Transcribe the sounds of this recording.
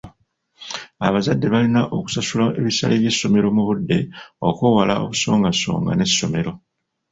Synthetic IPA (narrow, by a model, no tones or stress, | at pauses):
a̰βazadːe̞βalinaʔo̞ku̥sasulaeβisa̰leβje̞sːo̞me̞ɾo̞muβudːe̞o̞̰kuːwalao̞̰βuso̞ːŋɡaso̞̰ːŋɡa̰ne̞sːo̞̰me̞ɾo̞